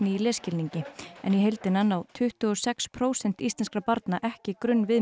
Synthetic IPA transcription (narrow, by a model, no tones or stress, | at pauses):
nɪilɛːscɪlniɲcɪɛ̰njɛɦejlt̪ɪnanawt̪ʰʏht̪ʏɣɔsɛkspʰɾoːwsɛn̥t̪ist̪lɛnskɾapaɾt̪naʔɛhcɪkɾʏnːvɪ